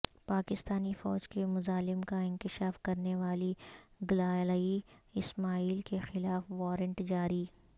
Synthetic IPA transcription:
paːkɪst̪aːnifɔ̰ːd͡ʒkemʊzaːlɪmkaɪ̃nkɪʃaːfkɐɾneʋaːliɡlaːlaiɪsmaːiːlkexɪlaːfʋɔːɾə̃ɳʈd͡ʒaːɾiː

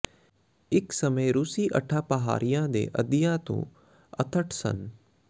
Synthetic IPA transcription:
ɪksɐməjɾusiːʔɐʈʰaːpɐɦa̰ːɾijãd̪ḛːʔɐd̪ijãt̪ṵ̃ː | ɐ̰t̪ʰəʈʰsɐ̰n

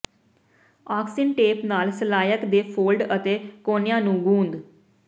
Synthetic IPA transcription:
aːksɪɳʈeːpnaːlsəlaːjəkd̪eːpʰoːlɖət̪eːkoːnɪjãːnũːɡũːnd̪

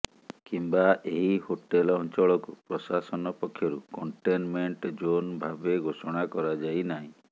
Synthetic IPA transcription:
kimbaʔeɦihoʈelɔnt͡ʃɔɭɔkupɾɔsasɔnɔpɔkʰːjɔɾukɔɳʈenmeɳʈd͡ʒonbʱabeɡʱosɔɽ̃akɔɾad͡ʒajnaɦĩ

